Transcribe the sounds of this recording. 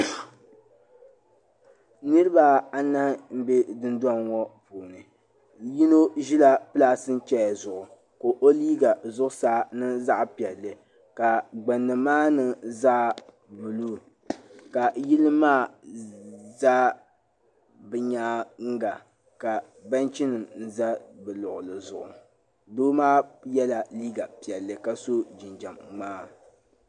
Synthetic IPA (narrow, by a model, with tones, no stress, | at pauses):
nɨ˦ɾɨ˦ba˦a˦nːa˦m̩˦be˦dɨ˦ndɔ˦nɔ˦puː˨nɨ˨ | ji˦no˦ʒi˦la˦pɨ˦laː˦sɨ˦n̩˦t͡ʃɛ˦jzʊ˨ʔʊ˨ | ko˨ʔo˦liː˦ɡa˨zʊ˦ʔʊ˦saː˨˦nɨ˦za˦ʔpi˨ɛ˨lːɨ˨ | ka˨ɡ͡ba˨nːɨ˨maː˦nɨ˦zaː˦ | bu˨lu˦ | ka˨ji˦lɨ˦maː˦˨ | za˦ | bɨ˨ɲaː˦ŋ̩˦ɡa˨ | ka˨ | ba˦nt͡ʃi˦nɨ˨mn̩˦za˦bɨ˨lʊ˨ʔʊ˨lɨ˨zʊ˨ʔʊ˨ | doː˦maː˦jɛ˦la˨liː˦ɡa˨pi˨ɛ˨lːɨ˨ka˨so˦d͡ʒɪ˨nd͡ʒa˨mːaː˦